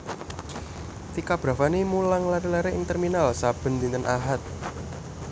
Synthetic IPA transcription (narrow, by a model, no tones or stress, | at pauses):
t̪ikab̥ɾa̤fanimulaŋlaɾilaɾeʔɪŋt̪ɛrminalsab̥ə̤nd̪int̪ənʔaɦat̪̚